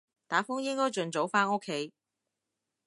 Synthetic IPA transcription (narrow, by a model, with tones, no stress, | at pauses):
t̪aː˨˥fʊ˥ŋjɪ˥ŋkɔː˥jt͡ʃɵ˨˧nt͡so˨˥wfaː˥no˥kʰːe˨˥j